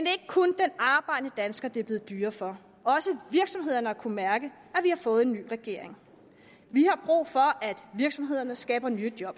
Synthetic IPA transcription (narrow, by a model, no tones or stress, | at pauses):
mend̥e̝e̝ɡ̥əkʰɔnd̥enɑ̈ːb̥ɑ̈ɪ̰d̥ənəd̥ænsɡ̥ɐd̥eɐb̥le̝ːð̩ˠd̥yːɐfɒ̽ | ɒ̽səʋiɐɡ̥sɒ̽mɦe̝ð̞̰ˠɐnəɑ̈kʰumæɐɡ̥ə | æʋihɑ̈fɔ̽ːð̞̩ˠe̝nːy̰ːʁɛɡ̥e̝̰ɐ̰eŋ | ʋihɑ̈b̥ʁṵːfɒ̽ʔæd̥ʋiɐɡ̥sɒ̽mɦe̝ð̞̰ˠɐnəsɡ̥ɛ̰ːb̥ɐnyːd̥jɒ̽b̥